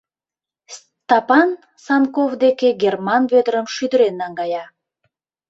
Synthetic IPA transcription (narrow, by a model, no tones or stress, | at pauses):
t̪ɑpɑn | sɑnkovd̪ekeɡermɑnβød̪əɾəmʃyd̪əɾenːɑŋɡɑjɑ